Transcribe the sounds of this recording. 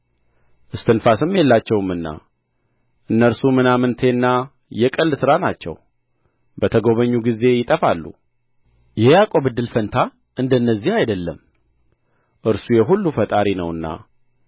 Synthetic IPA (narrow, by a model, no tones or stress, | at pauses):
ʔɨst̪ʰɨnfasɨmːjelːat͡ʃːɛwɨmɨnːa̰ | ʔɨnːəɾsumɨnamɨnt̪ʰe̞nːa | jɛkʼɨlːsɨɾanat͡ʃːɛ̰w | bət̪ʰəɡo̞βəɲːuɡize̞jɪt̪ʼəfalːṵ | jɛjakʼo̞bɨd̪ːɨlfənt̪ʰa | ʔɨnd̪ənːəzːihajd̪əlːəm | ʔɨɾsujɛɦulːufət̪ʼaɾinəwɨnːa̰